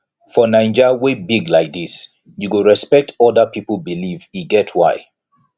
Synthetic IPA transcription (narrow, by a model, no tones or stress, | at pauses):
fɔnãɪ̃nd͡ʒəwebiɡlaɪk̚dis | juɡəɹɛspɛk̚tʰɔdəpipəl̩biliviɡɛtʰwaɪ